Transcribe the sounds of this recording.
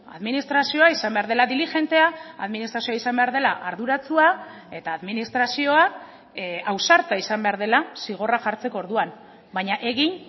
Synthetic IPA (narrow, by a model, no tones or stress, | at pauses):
a̰ðminist̪ɾasio̞aisambe̞aɾðe̞laðilixe̞nt̪e̞aa̰ðminist̪ɾasioaisambe̞aɾðe̞la̰ʔaɾðuɾat͡sua | e̞t̪aːðminist̪ɾasio̞a | awsaɾt̪aisambe̞aɾðe̞lasiɣ̞o̞raʝaɾt͡se̞ko̞ɾðuan | bajɲaʔe̞ɣin